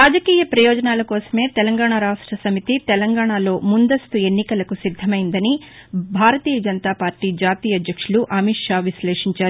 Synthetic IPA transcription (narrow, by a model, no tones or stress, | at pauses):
ɾaːd͡ʒɐkiːjɐpɾɐjɔːd͡ʒɐnaːlɐkɔːsɐ̥me̞ːt̪ɛlɐŋɡaːɳaɾaːʂʈɾɐsɐmit̪it̪ɛlɐŋɡaːɳaːlo̞ːmund̪ɐst̪ue̞nːikɐlɐkusid̪ʱːɐmɐjind̪ɐni | bʱaːɾɐt̪iːjɐd͡ʒɐnt̪aːpaːɾʈiːd͡ʒaːt̪iːjɐd̪jɐkʂuluʔɐmiʈʂaːʋislɛːʂiɲt͡ʃaːɾu